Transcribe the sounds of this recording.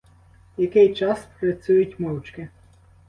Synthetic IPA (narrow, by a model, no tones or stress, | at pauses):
jɐkɪjt͡ʃɑspɾɐt͡sʲujʊtʲmɔwt͡ʃkɪ